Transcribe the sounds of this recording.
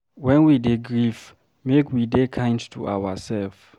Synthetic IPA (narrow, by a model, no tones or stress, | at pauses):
wɛ̃nwideɡɹif | mekwidekʰãɪ̃ndtʰuʔa̰wasɛlf